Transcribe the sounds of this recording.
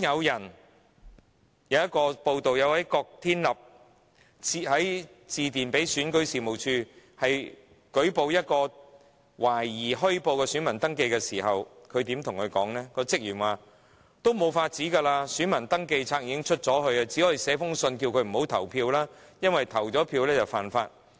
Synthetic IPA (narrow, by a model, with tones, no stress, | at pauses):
jɐ˨˧wjɐ˨˩n | jɐ˨˧wjɐ˥t̚kɔː˧po˧wt̪o˨wjɐ˨˧wɐ˨˥jkɔː˧k̚t̪ʰiː˥nlɐ˨p̚ | i˨hɐ˨˥j | t͡siː˨˧t̪iː˨˩npe˨˥jsyː˨˥nkɵ˨˥ɥsiː˨˩mo˨˩wt͡ʃʰyː˧hɐ˨j | kɵ˨˥ɥpo˨wjɐ˥t̚kɔː˧ | waː˨˩jːiː˨˩ɦɵ˥ɥpo˧wkɛː˧sy˨˥nmɐ˨˩nt̪ɐ˥ŋke˧jkɛː˧siː˨˩hɐ˨wkʰɵ˨˧t̪iː˨˥mt̪ʰʊ˨˩ŋkʰɵ˨˧kɔ̰ː˨˥ŋnɛː˥kɔː˧t͡sɪ˥k̚jyː˨˩nwaː˨ | t̪o˥wmo˨˧˥wfaː˧t̚t͡siː˨˥kaː˧laː˧syː˨˥nmɐ˨˩nt̪ɐ˥ŋke˧jt͡sʰaː˧k̚iː˧kɪ˥ŋt͡ʃʰɵ˥t̚t͡sɔː˨˥ɦɵ˨˧ɥɐ˧t͡siː˨˥hɔ˨˥˨sɛː˨˥fʊ˥ŋsɵ˧nkiː˧wkʰɵ˨˧ɥm̩˨˩ho˨˥wt̪ʰɐ˨˩wpʰiː˧wlaː˥jɐ˥nwɐ˨jt̪ʰɐ˨˩wt͡sɔː˨˥pʰiː˧wlɛː˥t͡sɐ˨˩wfaː˨nfa̰ː˧t̚